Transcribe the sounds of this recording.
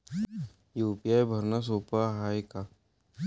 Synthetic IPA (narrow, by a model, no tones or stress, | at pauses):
juːpijajbʱɐɾnas̬oːpaɦaːjka